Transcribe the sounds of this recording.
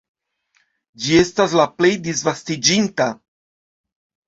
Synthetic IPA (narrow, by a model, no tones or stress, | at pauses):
d͡ʒie̞staslaplejdizvastid͡ʒinta